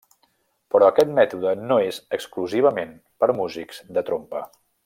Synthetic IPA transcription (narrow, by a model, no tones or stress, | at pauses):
pɾɔəkɛt̪̚mɛt̪uðənoezəkskluziβ̞əmen | pəɾmuzikz̥d̪ət̪ɾompə